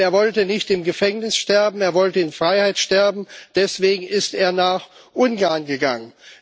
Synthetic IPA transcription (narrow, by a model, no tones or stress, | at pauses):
eːɐvɔltənɪçtɪmɡəfɛŋnɪsʃtɛɐbm̩eːɐvɔltəɪnfʁ̥aɪhaɪtʃtɛɐbm̩d̥ɛsv̥eːɡŋ̩ɪsteːɐnaːχʔʊnɡaɐnɡəɡa̰ŋən